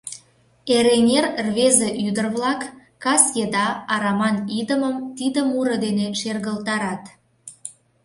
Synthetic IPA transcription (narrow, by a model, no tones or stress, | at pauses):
eɾenʲerrβezeʔyd̪ərβlɑkː | ɑsjed̪ɑɑɾɑmɑnid̪əməmt̪id̪əmuɾə̆d̪eneʃerɣəlt̪ɑɾɑt̪